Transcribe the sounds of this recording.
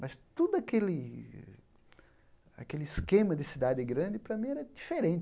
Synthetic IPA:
mɐst̪ud̪ʊɐkelɪ | a̰kelɪiskẽmɐd̪ɪsid̪ad̪ɪɡɾɐ̃nd̪ɪpɾɐmĩɛɾɐd͡ʒ̪ifeɾẽt͡ʃ

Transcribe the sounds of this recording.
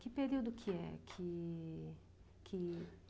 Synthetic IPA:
kɪpeɾiwd̪ʊkʰɪɛ̰kʰɪ | kʰɪ

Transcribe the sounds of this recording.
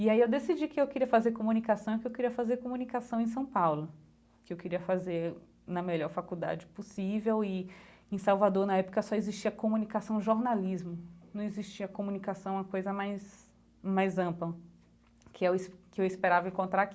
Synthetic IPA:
iaiewd̪esid͡ʒikɪewkɪɾiɐfazeɾkomũnikasɐ̃w̃kɪewkɪɾiɐfazeɾkomunikasɐ̃w̃ẽj̃s̬ɐ̃w̃pawlʊ | kɪewkɪɾiɐfazeɾ | nɐmeʎɔɾfakud̪a̰d͡ʒɪposivewɪẽsawvad̪oɾnɐɛpʊ̥kɐsɔeziʃt͡ʃiɐkomunikasɐ̃w̃ʒoɾnalizmʊnɐ̃w̃eziʃt͡ʃiɐkomunikasɐ̃w̃ũmɐkojzɐmajs | majzɐ̃plɐ | kʰɪɛskɪewɪspeɾavɐẽŋkõnt̪ɾaɾaki

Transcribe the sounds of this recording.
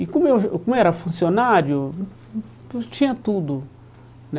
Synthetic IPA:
ikõmewkõmʊɛɾɐfũsionaɾjʊ | st͡ʃĩɲɐt̪ud̪ʊ | n

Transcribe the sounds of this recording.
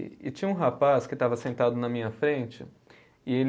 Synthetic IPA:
ɪ̰t͡ʃĩɲɐũɦapaskɪt̪avɐsẽnt̪ad̪ʊnɐmĩɲɐfɾẽnt͡ʃɪ | ɪel

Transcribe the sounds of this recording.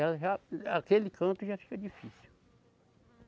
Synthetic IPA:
aʒaakelɪkʰɐ̃nt̪ʊʒafi̥kɐd͡ʒifisu

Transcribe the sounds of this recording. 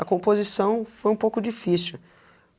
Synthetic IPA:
ɐkõmpozisɐ̃w̃fojũpowkʊd͡ʒifisiuw

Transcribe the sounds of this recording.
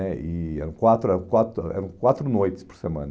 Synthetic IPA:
ɛiɛɾɐ̃w̃kwat̪ɾuɛɾɐ̃w̃kwat̪ɾuɛ̰ɾɐ̃w̃kwat̪ɾunojt̪ɪ̥spɔɾsemɐ̰̃nɐ

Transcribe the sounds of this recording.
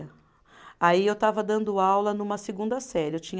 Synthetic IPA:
ɐ | aiewt̪avɐd̪ɐ̃nd̪ʊawlɐnũmɐseɡũnd̪ɐsɛɾewt͡ʃĩɲ

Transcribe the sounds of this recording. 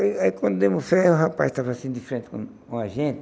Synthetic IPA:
iaikwɐ̃nd̪ʊd̪emʊfɛhʊɦapast̪avasĩd̪ifeɾẽnt̪ɪ̥kõ | õaʒẽnt̪ɪ

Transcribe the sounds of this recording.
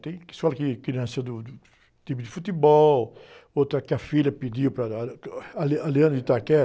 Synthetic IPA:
t̪eki̥skɔlkikinãsɐd̪u | t̪ipud̪ifut̪ibɔl | ot̪ɐkafiʎɐpid̪iwpɾa | alaliɐ̃nd̪d̪it̪akɛ

